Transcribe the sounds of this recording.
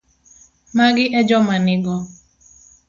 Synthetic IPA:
maɡɪʔɛd͡ʒɔmanɪɡɔ

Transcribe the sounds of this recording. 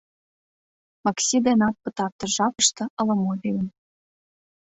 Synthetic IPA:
mɑksʲid̪enɑt̪̚pɤ̆t̪ɑrt̪ɤ̆ʒɑpɤ̆ʃt̪ɤ̆ʔɤ̆lŏmobʲilʲə̆n

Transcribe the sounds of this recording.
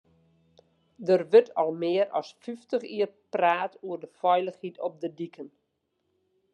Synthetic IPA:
dərʋøtʰɔlˠmɪəɾɔ̰sfyftəxiərpraːtuərdəfɔjləxhitʰɔp̚dədikʰən

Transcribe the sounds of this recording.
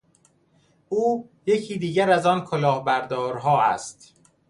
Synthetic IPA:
ʔuːje̞cʰiːd̪iːɟæɾæzɒːnkʰolɒːhbæɾd̪ɒːɾɦɒːæ̰st̪

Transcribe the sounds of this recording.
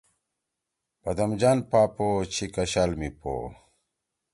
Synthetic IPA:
bɐd̪ɐmd͡ʑanpaːpot͡ɕʰikɐɕalmipo̰

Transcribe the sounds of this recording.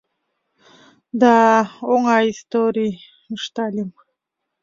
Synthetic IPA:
d̪aoŋajist̪oɾi | mɨʂt̪alʲim

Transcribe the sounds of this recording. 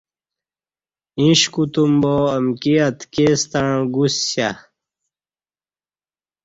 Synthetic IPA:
ĩɕkut̪umboːmkiɐt̪kest̪aɻ̃ɡusɕa

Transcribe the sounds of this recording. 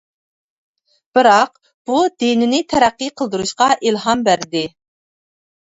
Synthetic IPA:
b̥ɪɾɑq | b̥ud̪enɪnɪt̪ʰɛɾæqːiqʰəlˠd̪ɨɾuʃqɑʔilɦɑmbæɾd̪ɪ

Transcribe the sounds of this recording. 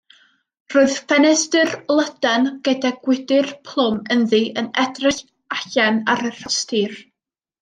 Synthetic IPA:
roːɨð̥fɛnɛsdɨrlˠədanɡ̥ədaɡwɪdɨrpʰlˠʊmənðiʔənɛdrɪɬ | aɬanaɾər̥əstiːr

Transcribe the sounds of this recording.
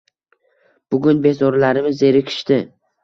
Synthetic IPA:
b̥ʊɡʲʊnbe̞zɒɾlaɾɪmɪze̞ɾɪkʲʰɪ̥ʃt̪ɪ

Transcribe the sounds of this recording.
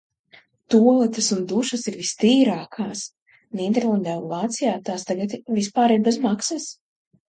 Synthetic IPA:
t̪uɔlˠɛt̪ɐsund̪uʃɐsiɾvist̪iːɾaːkʰaːs | nĩːd̪ɛɾlˠand̪aːunlˠaːt̪sijaːt̪aːst̪aɡat̪vispaːɾiɾbɛzmaksas

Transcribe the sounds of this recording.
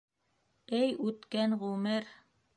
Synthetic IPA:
ɘjʉt̪kæŋʁʉmɘɾ

